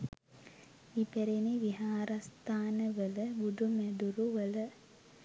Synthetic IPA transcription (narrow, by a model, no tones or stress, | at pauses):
ipeɾeniʋiɦaːɾast̪aːnəʋələbuɖumɛd̪uɾuʋələ